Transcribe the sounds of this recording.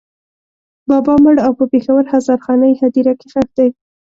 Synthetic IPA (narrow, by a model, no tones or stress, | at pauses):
bɑbɑməɽawpəpexawəɾhazɑɾxɑnəjhad̪iɾake̥xaxd̪̥aj